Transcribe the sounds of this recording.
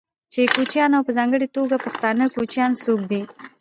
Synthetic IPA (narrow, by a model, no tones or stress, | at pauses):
t͡ʃekot͡ʃjɑnawpəzɑŋɡəɽet̪oɡapəxt̪ɑnəkot͡ʃjɑnsok̚d̪i